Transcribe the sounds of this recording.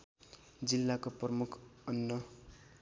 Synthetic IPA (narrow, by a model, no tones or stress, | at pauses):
d͡zilːakoprʌmukʰʌnːʌ